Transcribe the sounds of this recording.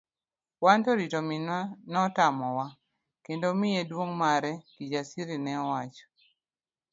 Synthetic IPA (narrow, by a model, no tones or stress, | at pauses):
wantɔɾitominanɔtamɔwa | kendomɪjedwoŋmaɾɛkid͡ʒasiɾinɛɔwat͡ʃɔ̥